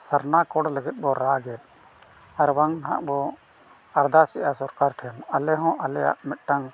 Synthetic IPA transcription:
saɾnakɔɽləɡɛt̪̚ˀbɔɾaɡɛt̪̚ˀ | aɾwaŋnaɦã̰ʔbɔ | aɾd̪asiʔasɔɾkaɾʈʰɛnalɛɦɔ̃ʔalɛja̰ʔmɛt̪̚ʈaŋ

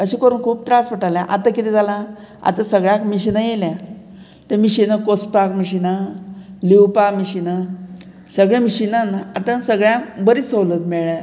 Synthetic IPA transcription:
əɕiːkəɾuːnkʰuːp̚t̪ɾaspəʈaljãʔat̪akit̪id͡zalã | a̰t̪asəɡɭjãkmiɕinajeljã | t̪emiɕinakospakmiɕinaliwpamiɕina | səɡɭẽmiɕinanaat̪ãsəɡɭjãkbəɾisowlət̪meɭa

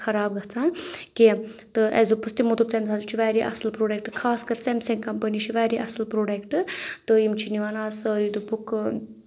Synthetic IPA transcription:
xʰɐɾaːbɡɐt͡saːnkit̪ɨɛ̰zupɨst̪imut̪up̚t̪ɐmsʰaːzut͡ʃʰiʋaːɾiʔɐ̰slpɾoːɖek̚ʈɨkʰaːskɐɾsemseŋkɐmpəniʃʰiʋaːɾiʔɐsɨlpɾoːɖekʈɨt̪ɨimt͡ʃʰiniʋanaːsəːɾid̪upuk

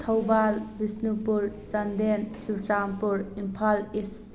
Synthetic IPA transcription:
t̪ʰɐwbalbisnupuɾsɐndensuɾt͡ʃampuɾimpʰalis

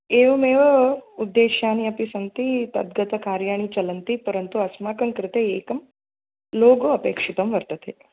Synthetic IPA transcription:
eʋɐmeːʋəud̪ːeɕjaːñiɐpisɐnt̪iːt̪ɐ̰d̪̚ɡɐt̪ɐkaːɾjaːɽ̃it͡ɕɐlənt̪iːpəɾənt̪uɐsmakəŋkɾɪt̪eeːkɐm | loːɡoɐpeːkʂit̪ɐmʋəɾt̪ət̪ʰe

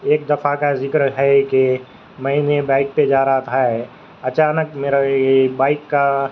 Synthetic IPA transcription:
eːk̚d̪ɐfakazɪkɾɦɛke | mɐɦinebãːɪk̚ped͡ʒaːɾaɦat̪ʰaɛ | ɐt͡ʃaːnəkmeːɾabaːɪkːa

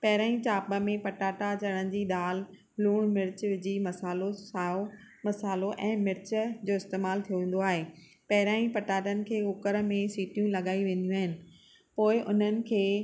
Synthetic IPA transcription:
pɐɦɪɾaːĩt͡ɕaːpə̆mẽpɐʈaːʈat͡ɕɐɽ̃ənɪ̆d͡ʑiːɗaːl | luːɽ̃mɪɾt͡ɕʋɪd͡ʑimɐsaːlosao | mɐsaːloʔɛ̃ːmɪɾt͡ɕd͡ʑoːɪst̪eːmaːlt̪ʰijoʋẽːn̆d̪oaːɦeː | pɐɦɪɾaːĩpɐʈaːʈənɪ̆kʰeːɦʊkəɾmẽsiːʈijũlɐɠaːiʋẽːn̆d̪ijũaːɦɪnɪ̆ | poːɪʔʊn̤ənɪ̆kʰeː

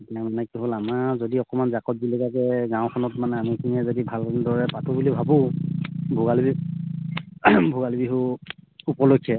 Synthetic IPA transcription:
tamanɛkiɦolamazodiɔkɔmanzakɔt̚bilikakɛɡãʊ̃kʰɔnɔtmanɛamikʰiniɛzodibʱalndɔɹɛpatʰubulibʱabʊ̃ | bʱuɡalbi | bʱuɡalbiɦʊupɔlokʰːjɛ

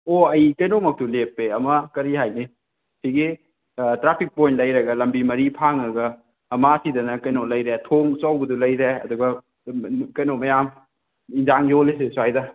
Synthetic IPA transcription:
oɐjkɐjnomɐk̚tulepːeɐmɐkɐɾiɦajni | siɡi | tɾapʰik̚pojnlɐjɾɐɡɐlɐmbimɐɾipʰaŋɐɡɐː | masidɐnɐkɐjnolɐjɾetʰoŋsawbɐdulɐjɾeɐ̰duɡɐ | kɐjnomɐjam | inzaŋjoles̬esuajdɐ

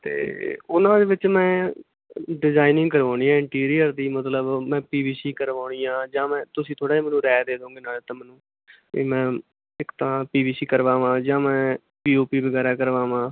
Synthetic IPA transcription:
t̪ḛːʊnãːd̪eːʋɪt͡ʃmɛ̃ː | ɖɪzaːinɪ̃ŋɡkəɾʋãːɽ̃ĩːãːɪ̃ɳʈiːɾijəɾd̪iːmət̪ləbmɛ̃ːpiːbiːsiːkəɾʋaːɳijãːd͡ʒãːmɛ̃ːt̪ʊsĩːt̪ʰoːɽaːiːmɛːnũːɾɛːd̪eːd̪õːɡeːnaːlːt̪ãːmɛːnṵ̃ː | mɛ̃ː | ɪkt̪ãːpiːbiːsiːkəɾʋãːʋãːd͡ʒãːmɛ̃ː | piːoːpiːbəɡɛːɾaːkəɾʋãːʋãː

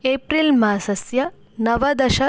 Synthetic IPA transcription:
eːpɾilmaːsɐsjɐ | nɐʋɐd̪ɐʃɐ

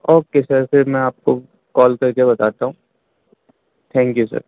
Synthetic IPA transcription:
oːkesɐɾseɾmɛ̃aːp̚ko | kɔːlkɐɾkebɐt̪aːt̪aɦũː | t̪ʰɛ̃ːŋkjusɐ̰ɾ

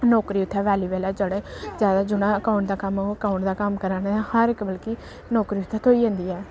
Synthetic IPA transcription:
nɔːkɾiːʊt̪ʰːɛːʋɛːliːʋɛːlaːd͡ʒəɽeːzjaːd̪aːd͡ʒʊɽ̃ãːəkaʊɳʈ̚d̪aːkəməkaːʊɳʈd̪aːkəmkəɾãːnːhəɾɪkbəlki | nɔːkɾiːʊt̪ʰːɛːt̪ʰoːiːə̃ːnd̪iːɛː

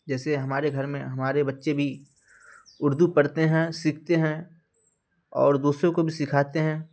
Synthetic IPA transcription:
d͡ʒɛːseɦɐmaːɾeɡʱɐɾmẽɦɐmaːɾebɐtːʃebʱi | ʊɾd̪upɐɽt̪eɦɛ̃sɪkʰt̪eɦɛ̃ | ɔ̰ːɾd̪uːsɾõkobʱisɪkʰaːt̪eɦɛ̃ː

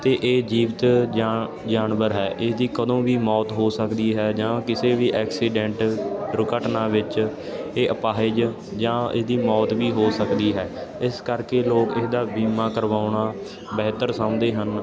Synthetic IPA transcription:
t̪eːʔeːd͡ʒiːʋt̪ː | d͡ʒaːnʋəɾɦɛːʔɪsd̪iːkəd̪õːʋiːmɔːt̪ɦoːsəkd̪iːɦɛːd͡ʒãːkɪseːʋiːʔɛːksiːɖɛ̃ɳʈɾʊkəʈnaːʋɪt͡ʃeːʔəpaːɪd͡ʒ | d͡ʒãːɪ̰sd̪iːmɔːt̪ʋiːɦoːsəkd̪iːɦɛːɪskəɾkeːloːkɪsd̪aːbiːmãːkəɾʋaːʊɳaː | bɛːt̪əɾsãʊ̃nd̪eːɦən

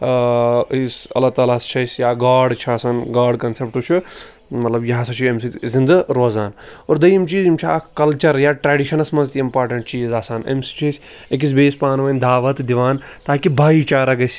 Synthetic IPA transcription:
isɐ̰laːt̪aːlaːst͡ʃʰɐsʲjaːɡaːɖt͡ʃʰiaːsaːnɡaːɾɖkɐnsep̚ʈut͡ʃʰi | mɐt̪lɐbjɐɦsɐt͡ʃʰiemsizind̪ɐɾoːzaːnoːɾd̪ɐjimt͡ʃiːzimt͡ʃʰia̰ːkɐlt͡ʃɐɾjaːʈɾeːɖiʃɐnɐsmɐnzt̪iimpaːɾʈɐɳʈt͡ʃiːzaːsaːnɐ̰msi̥t͡ʃʰisʲ | ek̬is̬beːspaːnʋɐnʲd̪aːʋɐt̪d̪iʋaːn | t̪aːkibʱaːit͡ʃaːɾɐɡɐsʲ

